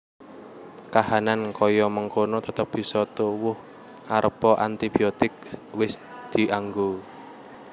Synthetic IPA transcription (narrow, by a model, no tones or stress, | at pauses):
kahanankɔjɔməŋkonot̪ət̪əp̚b̥i̤sɔt̪owʊh | ʔaɾəpɔʔant̪ibiot̪ɪk̚wɪsd̪̥i̤ʔaŋɡo